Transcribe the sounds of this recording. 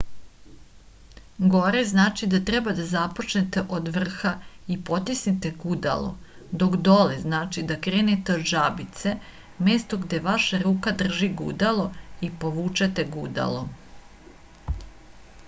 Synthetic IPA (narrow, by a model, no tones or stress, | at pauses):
ɡo̞ɾeznaːt͡ʃid̪at̪ɾɛbad̪azapo̞t͡ʃnet̪e̞ʔod̪ʋr̩xaipo̞t̪isnit̪e̞ɡud̪a̰lo̞̰ | d̪o̞kd̪o̞leznaːt͡ʃid̪akɾeːnet̪eod̪ʒabit̪se̞ | meːst̪o̞ɡd̪eʋaʃaɾuːkad̪r̩ʒiɡṵd̪alˠo̞ipo̞ʋuːt͡ʃet̪eɡud̪a̰lˠo